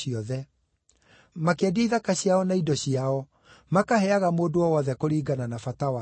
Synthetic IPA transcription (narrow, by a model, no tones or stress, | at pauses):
iɔðɛ | makeadiaiðakaɕiaɔnaidɔɕiaɔ | makahɛaɣamoːdowɔwɔðɛkoɾiːɡananafatawa